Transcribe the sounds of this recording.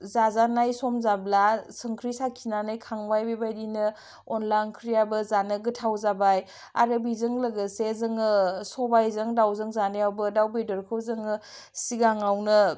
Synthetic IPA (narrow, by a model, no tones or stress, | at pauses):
zazanajsɔmzablasɯŋkʰɾisakʰinanajkʰaŋbajbebajdinɯ | ɔnlajnkʰɾijabɯzanɯɡɯtʰawzabaj | a̰ɾɯbizɯŋləɡəsezɯŋɯsɔbajzɯŋdawzɯŋzanejawbɯdawbedɔɾkʰɯwzɯŋɯ | siɡaŋawnɯ